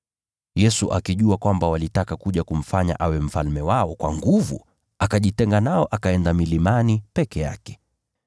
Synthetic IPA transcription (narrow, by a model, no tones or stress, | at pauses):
jɛsuʔakiʄuakwambawalitakakuʄakum̩faɲa̰ʔawɛm̩falmɛwaɔkwa̰ŋɡuvṵ | akaʄitɛŋɡanaɔʔakaɛndamilimanipɛkɛja̰kɛ̥